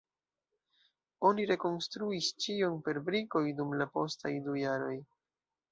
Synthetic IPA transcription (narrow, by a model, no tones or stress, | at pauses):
o̞niɾe̞ko̞nstɾuist͡ʃionpe̞ɾbɾiko̞jdumlapo̞̰sta̰jdujaɾo̞j